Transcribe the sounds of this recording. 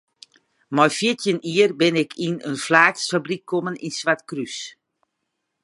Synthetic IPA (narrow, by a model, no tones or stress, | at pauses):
mɔjfjiətjəniərbɪnɪkʰinənflaːksfabrikʰːɔməninsʋatkrys